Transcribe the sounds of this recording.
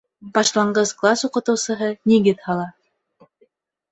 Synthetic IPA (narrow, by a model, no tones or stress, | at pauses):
bɑʃlˠɑɴɢɤzklˠasuqɤ̆t̪ɤ̆wsɤ̆ɦɤniɡɘðhɑlˠɑ